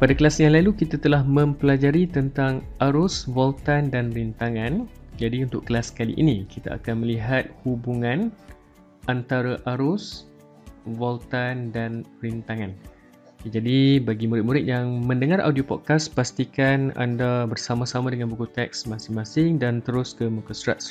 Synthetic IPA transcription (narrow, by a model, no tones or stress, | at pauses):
padakəlasjaŋlalukit̪at̪əlahmə̃mpəlad͡ʒaɾit̪ənt̪aŋaɾʊsvɔlt̪andanrint̪aŋand͡ʒadiunt̪ʊʔkəlaskalḭʔḭnikit̪a̰a̰kanməliɦat̪̚hubuŋãn | ʔant̪aɾaʔaɾʊs | vɔlt̪andanrint̪aŋãn | d͡ʒadibaɡimuɾɪt̪̚muɾɪt̪̚jaŋmə̃ndəŋaɾʔa̰wdiopɔ̰t̪̚kaspast̪ikana̰ndabərsamãsamãdəŋanbukut̪ɛk̚smãsɪŋmãsɪŋdant̪əɾʊskəməkəsɾa̰t̪̚